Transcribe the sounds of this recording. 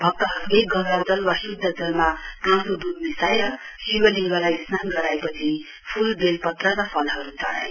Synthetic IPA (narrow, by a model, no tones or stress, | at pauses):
bʱʌk̚t̪ʌɦʌɾuʌjɡʌwɾad͡zʌlwasud̪ʱːʌd͡zʌlmaawnod̪ud̪̚nisajɾʌ | siwʌliɡalaisnanɡʌɾajpʌt͡sʰi | pʰulbelpʌt̪rʌɾʌpʰʌlɦʌɾut͡sʌɽa̰j